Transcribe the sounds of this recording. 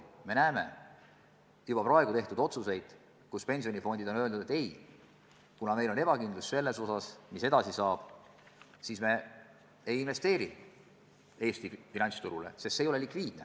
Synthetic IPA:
me̞næːme̞̰ | jub̥ɑprɑeɡut̪e̞ht̪ud̪̥o̞t̪suse̞jd̪̥ | kuspe̞nʲsio̞nʲifo̞nʲd̪̥id̪onø̞lnud̪et̪ːe̞j | kunɑme̞jlo̞ne̞b̥ɑkind̪lusse̞lːe̞so̞sɑsmise̞d̪ɑsisɑːb̥ | sisme̞ | ejinve̞st̪e̞ːɾi | e̞ːst̪ifinɑnt̪st̪uɾulḛse̞st̪sejoelikviːd̪̥̚ne

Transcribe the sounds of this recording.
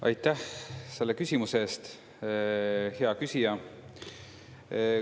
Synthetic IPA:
ʔɑ̰jt̪ːæhse̞lːekysʲimuseeːst̪ | heɑkysʲijɑ

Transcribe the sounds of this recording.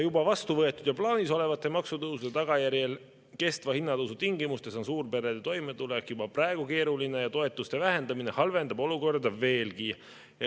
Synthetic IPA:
jubɑvɑst̪uvɤ̞et̪ːˑud̥̪jɑplɑːniso̞le̞vɑt̪ːˑe̞mɑksut̪ɤwsud̪et̪ɑɡ̥ɑjæɾjel | ke̞st̪vɑhinːɑd̪ɤwsut̪iŋɡimust̪e̞so̞nsuːrpe̞ɾed̪̥et̪o̞jme̞t̪ulekjubɑprɑeɡ̥uke̞ːɾuline̞jɑt̪o̞e̞t̪ːˑust̪e̞væɦe̞nd̪ɑmine̞hɑlve̞nd̪ɑbo̞luko̞rd̪ɑve̞ːlɡi

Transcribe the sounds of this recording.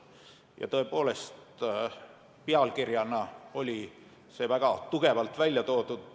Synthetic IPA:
jɑ̰t̪ɤ̞e̞po̞ːle̞st̪ | peɑlkirjɑnɑo̞lʲi | se̞væɡ̥ɑt̪uɡ̥e̞vɑlt̪ˑvælʲjɑt̪o̞ːd̪̥ud̪̥

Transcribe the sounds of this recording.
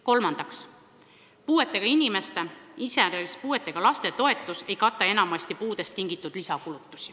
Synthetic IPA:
ko̞lmɑnd̪̥ɑks | puːe̞t̪ːˑe̞ɡ̥ɑinime̞st̪e̞iseæɾeispuːe̞t̪ˑːe̞ɡ̥ɑlɑst̪e̞t̪o̞e̞t̪ːˑuse̞jkɑt̪ːˑɑe̞nɑmɑsʲt̪ipuːd̪̥e̞st̪ːiŋɡ̥it̪ːˑud̪̥lisɑkulut̪ːˑu̥sʲi̥

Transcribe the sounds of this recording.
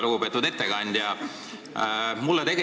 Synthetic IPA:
luɡ̥upe̞ːt̪ːˑud̪e̞t̪ːekɑnʲd̪̥jɑ | mulːet̪e̞ɡe

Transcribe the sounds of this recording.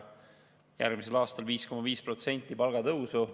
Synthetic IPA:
jæ̰rɡmise̞lɑːst̪ɑlviːsko̞mɑviːspro̞t̪se̞nʲt̪ʲːˑipɑlɡ̥ɑt̪ɤwsu

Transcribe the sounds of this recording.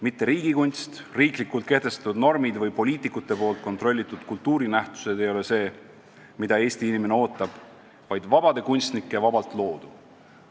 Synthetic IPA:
mit̪ːe̞ɾiːɡikunʲst̪riːklikːult̪ke̞ht̪e̞st̪ɑ̥t̪ud̪no̞rmid̪vɤjpo̞lʲiːt̪ˑikːˑut̪ːˑe̞po̞ːlt̪̚ko̞nt̪ro̞lʲːit̪ːˑud̪̥kult̪ˑːuːɾinæht̪u̥se̞d̪e̞jo̞le̞se̞ː | mid̪ɑe̞ːst̪iinime̞neo̞ːt̪ːˑɑb̥ | vɑjd̪̥vɑbɑd̪̥e̞kunʲst̪nikːˑe̞vɑbɑlt̪ˑlo̞ːd̪̥u

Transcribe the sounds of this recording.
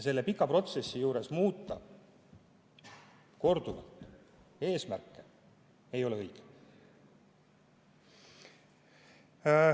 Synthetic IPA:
se̞lːe̞pikːˑɑpro̞t̪se̞sːijuːɾe̞smuːt̪ːˑɑ | ko̞rd̪uvɑ̰t̪ːˑe̞ːsmærkːe̞ | e̞jo̞leɤjɡ̥e̥

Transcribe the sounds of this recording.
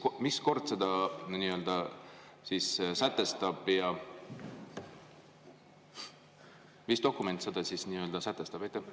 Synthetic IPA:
misko̞rd̪̥se̞d̪̥ɑniːø̞ld̪̥ɑ | sissæt̪ːˑe̞st̪ɑb̥jɑ | mist̪o̞kːume̞nt̪se̞d̪̥ɑsisniːø̞ld̪ɑsæt̪ːˑe̞st̪ɑb̥ejt̪ːˑe

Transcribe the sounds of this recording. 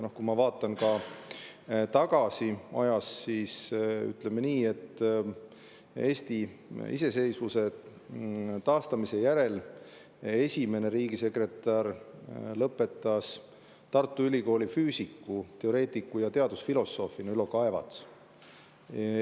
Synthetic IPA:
no̞hkumɑvɑːt̪ːˑɑnkɑ | t̪ɑɡ̥ɑsiɑ̰jɑsːiːsy̰t̪ˑle̞meniːe̞t̪ː | e̞ːst̪iḭse̞se̞jsvuse̞ | t̪ɑːst̪ɑmise̞jæɾe̞l | e̞sʲime̞ne̞ɾiːɡise̞kre̞t̪ːˑɑrlɤpːˑe̞t̪ːˑɑs | t̪ɑrt̪ˑːuylʲiko̞ːlʲifyːsikːut̪e̞o̞ɾe̞ːt̪ˑikːujɑt̪e̞ɑd̪usfilo̞sːo̞ːfˑinylokɑe̞vɑ̰t̪s

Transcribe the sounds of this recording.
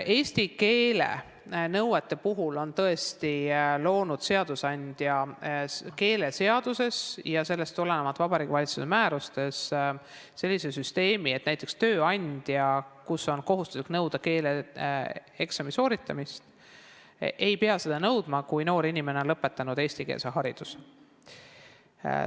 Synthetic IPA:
e̞ːsʲt̪ike̞ːlḛ | nɤwwet̪ˑːe̞puɦulo̞nt̪ɤe̞st̪ilo̞ːnud̪̥se̞ɑd̪̥usɑnʲd̪̥jɑ | ke̞ːle̞se̞ɑd̪̥use̞sjɑse̞lːe̞st̪ulenemɑt̪ːˑvɑbɑɾiːɡ̥ivɑlʲit̪susemæːɾust̪e̞s | se̞lːisesyst̪e̞ːmiet̪næjt̪ːˑekst̪øːɑnʲd̪̥jɑkuso̞nko̞ɦust̪u̥sliknɤwd̪̥ɑke̞ːle | eksɑmiso̞ːɾit̪ːˑɑmist̪ | ʔe̞jpeɑse̞d̪̥ɑnɤwd̪̥mɑkujno̞ːɾinʲimeneo̞nlɤpːˑe̞t̪ːˑɑnud̪e̞ːsʲt̪ikḛsɑɦɑɾid̪̥us

